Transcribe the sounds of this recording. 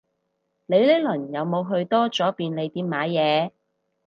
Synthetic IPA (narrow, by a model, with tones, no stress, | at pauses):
le˨˧jle˥lɵ˨˩njɐ˨˧wmo˨˧wɦɵ˧ɥt̪ɔː˥t͡sɔː˨˥piː˧nle˨˧jt̪iː˧˥maː˨˥jɛː˨˧